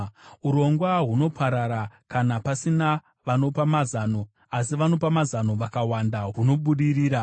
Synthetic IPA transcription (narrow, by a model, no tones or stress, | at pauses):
uɾo̞ŋɡwaɦuno̞pʰaɾaɾakanapasina | ʋano̞pamazaːno̞ | as̬iʋano̞pamazano̞ʋakawandaɦuno̞ɓuɗiriːɾa